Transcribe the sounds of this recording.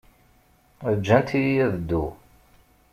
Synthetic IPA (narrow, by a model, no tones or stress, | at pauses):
əd͡ʒːænt̪ijijæðəd̪ːu